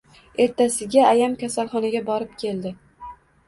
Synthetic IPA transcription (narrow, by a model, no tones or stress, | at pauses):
e̞ɾt̪ʰasɪɡʲaːjamkʲasalˠχɒnaɡʲabɒɾɪp̚kʲʰe̞ld̪ɪ